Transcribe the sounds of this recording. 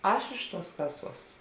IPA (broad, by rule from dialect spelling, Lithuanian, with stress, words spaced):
ˈɐʃ ɪʃ tuɔs ˈkɑːˌsuɔs